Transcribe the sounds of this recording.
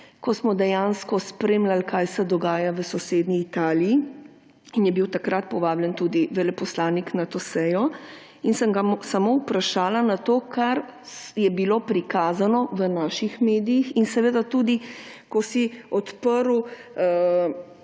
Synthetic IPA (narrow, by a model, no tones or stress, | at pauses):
kɔsmɔd̪ɛjanskɔspɾeːmlalkajsɛd̪ɔɡaːjaʋəsɔseːd̪niːt̪aːlii | injɛbiwt̪akɾat̪̚pɔʋaːbljɛnt̪uːd̪iʋɛlɛpɔslaːniknat̪oːsɛjɔ | insəŋɡasamowpɾaʃaːlanat̪oːkʰaɾ | jɛbilopɾikaːzanɔʋənaːʃixmeːd̪ijixinsɛʋeːd̪at̪uːd̪i | kɔsiɔt̪pəɾu